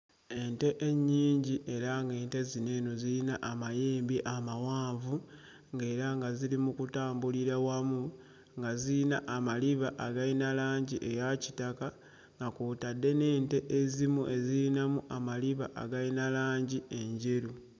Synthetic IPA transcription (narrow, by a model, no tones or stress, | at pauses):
e̞nte̞ʔeɲːiːɲɟiʔe̞ɾaŋɡe̞ːnte̞zine̞ːnoziinaʔːmajeːmbiʔamawaːɱvu | ŋɡe̞ːɾaŋɡazilimukutaːmbuliɾawamu | ŋɡaziinaʔamaliβaʔːɡainalaːɲɟiʔejaci̥taka | ŋɡakuːtadːe̞ne̞ːnte̞ʔezimuʔe̞ziinamuʔamaliβaʔa̰ɡainalaːɲɟie̞ɲɟeɾu